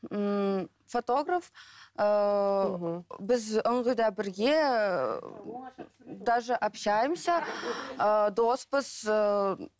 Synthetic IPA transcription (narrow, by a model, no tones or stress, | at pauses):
fot̪o̞ɡrafə | bɪzəɴʁəjd̪ɑbɪɾɡʲe̞ | d̪ɑʒəʔapʃajəmsaəd̪o̞spəz̥ə